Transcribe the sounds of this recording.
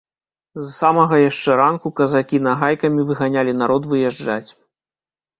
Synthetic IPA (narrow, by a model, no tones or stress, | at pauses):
zsamɐɣɐjaʂt͡ʂɛɾankukɐzakʲinɐɣajkɐmʲivɨɣanʲalʲinaɾɔt̪vɨjɛʐd͡ʐat͡sʲ